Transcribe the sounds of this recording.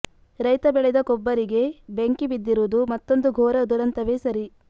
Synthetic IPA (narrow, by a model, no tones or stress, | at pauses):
ɾɐjt̪ɐbɛɭɛd̪ɐkɔbːɐɾiɡe̞beŋkibid̪ːiɾud̪umɐt̪ːo̞nd̪uɡʱɔːɾɐd̪uɾɐnt̪ɐʋesɐɾi